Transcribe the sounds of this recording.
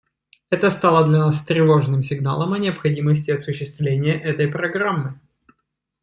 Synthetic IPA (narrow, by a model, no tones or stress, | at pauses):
ɛt̪əst̪alˠəd̪lʲɐnast̪ɾʲɪvo̞ʐnɨmsʲɪɡna̰lˠəmɐnʲɪəpxɐdʲiməsʲtʲɪɐsʊɕːɪst̪vlʲenʲɪjəʔɛt̪əjpɾɐɡɾamːɨ